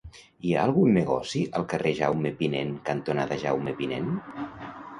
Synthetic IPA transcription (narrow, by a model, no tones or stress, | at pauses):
ia̰ːlˠɣunːeɣɔsiʔəlˠkəreʒawmepinḛnkant̪onaðəʒa̰wmepinen